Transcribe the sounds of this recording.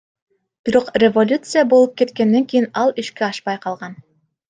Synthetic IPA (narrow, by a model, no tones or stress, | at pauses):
b̥iɾoqrʲevolʲut̪sɨjabolˠɤp̚ket̪kænːæŋkʲijɘnɑlˠɘ̆ʃkɘɑʃpɑjqɑlˠʁɑn